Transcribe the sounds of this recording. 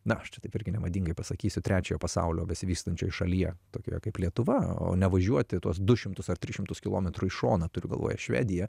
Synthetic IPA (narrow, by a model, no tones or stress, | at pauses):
nɐɐʃt͡ʃʲɛt̪ɐɪpɪɾʲɡʲɪnʲɛmɐd̪ʲiːŋɡɐɪpɐsɐkʲiːsʲʊt̪ʲɾʲæːt͡ʃʲoːjoːpɐsɑ̰ʊlʲoːbʲɛsʲɪʋʲiːkst̪ɐnʲt͡ʃʲoːjɪʃɐlʲiɛt̪oːkʲo̰ːjɛkɐɪplʲiɛt̪ʊʋɐo̰ːnʲɛʋɐʒʲuɔt̪ʲɪt̪uɔsd̪ʊʃʲɪmt̪ʊsɐrt̪ʲɾʲɪʃʲɪmt̪ʊskʲɪlˠoːmʲɛt̪ɾʊɪʃo̰ːnɐt̪ʊɾʲʊ̰ɡɐlˠʋo̰ːjɛ̰ʃʲʋʲæ̰ːd̪ʲɪjɛ